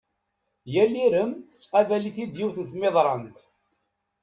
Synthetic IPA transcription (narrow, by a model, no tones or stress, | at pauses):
jælːiɾəmθə̥t͡sːqɑvæliθid̪jiwθnθmɪðˤɾˤɑnt̪